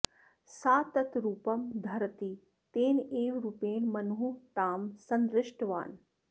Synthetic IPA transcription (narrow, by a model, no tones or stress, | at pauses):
saːt̪ɐt̪ɾuːpɐmd̪ʱɐɾt̪i | t̪eːneːʋɾuːpeːnmɐnɦut̪aːmsɐnd̪ɾɪʂʈʋa̰ːn